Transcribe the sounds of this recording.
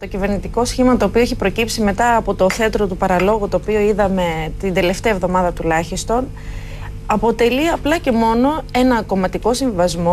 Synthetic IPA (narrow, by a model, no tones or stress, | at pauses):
t̪o̞cive̞ɾnit̪iko̞sçimɐt̪o̞ːpioeçipɾo̞cipsime̞t̪ɐːpot̪o̞θeɐt̪ɾo̞t̪upɐɾɐlo̞ɣut̪o̞ːpio̞iðɐme̞t̪ind̪e̞le̞ft̪eɐevðo̞mɐðɐt̪ulɐçist̪o̞n | ɐpo̞t̪e̞liɐplɐce̞mo̞no̞e̞nɐko̞mɐt̪iko̞sĩɱvivɐzmo̞